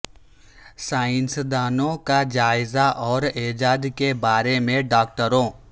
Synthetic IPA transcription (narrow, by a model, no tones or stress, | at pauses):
saːɪnsd̪aːnõkad͡ʒaːɪzaʔɔːɾeːd͡ʒaːd̪kebaːɾemẽɖaːk̚ʈəɾõː